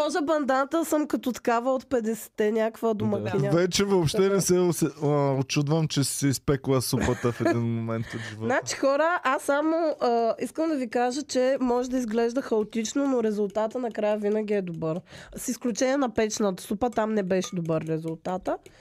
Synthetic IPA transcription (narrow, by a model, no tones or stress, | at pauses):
pɔʒəbɐnd̪ant̪əsəmkɐt̪ɔt̪ɐ̥kavəot̪̚pɛd̪ɛsɛ̥t̪ɛnʲakvəd̪omɐkʲiavɛt͡ʃɛvoopʃt̪ɛnɛsɛsɛot͡ʃud̪vəmt͡ʃɛsɛispɛklˠəsupət̪əfɛd̪inmomɛnt̪vnat͡ʃi̥xɔɾəʔasːamoəiskəmd̪ɐvikaʒət͡ʃɛmɔʒɛd̪ɐizɡlɛʒd̪əxɐot̪it͡ʃnonoɾɛzʊlˠt̪at̪ənɐkɾajəvinəɡʲiɛd̪obɤɾsisklʲut͡ʃɛniɛnɐpɛt͡ʃnət̪ə̥supət̪amnɛbɛʃɛd̪obɤɾːɛzulˠt̪at̪ə